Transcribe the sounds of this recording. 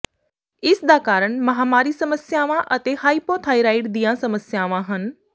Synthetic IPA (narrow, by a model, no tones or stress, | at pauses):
ɪsd̪aːkaːɾəɳ̃mɐɦaːmaːɾisɐməsjaːʋãʔɐt̪ehaːipoːt̪ʰɦaːiɾaːɪʈd̪ijãsɐməsjaːʋãɦən